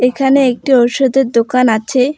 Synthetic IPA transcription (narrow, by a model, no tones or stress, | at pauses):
ekʰaneek̚ʈiɔʃod̪eɾd̪okanat͡ɕʰe